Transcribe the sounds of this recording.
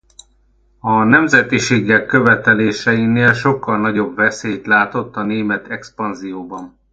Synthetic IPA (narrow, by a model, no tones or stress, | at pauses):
ɒnɛmzɛt̪iʃeːɡɛkːø̞vɛt̪ɛleːʃɛjineːlʃo̞kːɒlnɒɟo̞bvɛseːjt̪laːt̪o̞t̪ːɒneːmɛt̪ɛkspɒnzijoːbɒn